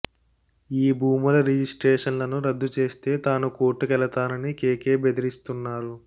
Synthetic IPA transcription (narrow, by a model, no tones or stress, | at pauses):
iːbʱuːmulɐɾid͡ʒisʈɾeːʂɐnlɐnuɾɐd̪ːut͡ʃe̞ːst̪e̞ːt̪aːnuko̞ːʈːukɛlɐt̪aːnɐnikeːke̞ːbed̪iɾist̪unːaːɾu